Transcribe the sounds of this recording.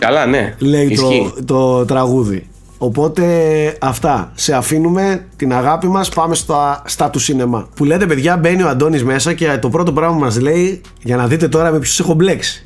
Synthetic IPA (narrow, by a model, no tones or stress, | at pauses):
kɐlɐnḛle̞jt̪oit̪o̞t̪ɾɐɣuðḭ | o̞po̞t̪e̞ɐft̪ɐse̞ɐfinume̞t̪inɐɣɐpimɐspɐme̞st̪ost̪ɐt̪usine̞mɐpule̞t̪e̞pe̞ðʝɐbe̞nioɐnd̪o̞nizme̞sɐce̞t̪o̞pɾo̞t̪̬o̞pɾɐɣmɐmɐzle̞i | ʝɐnɐðit̪e̞t̪o̞ɾɐmepçosexo̞ble̞ksi̥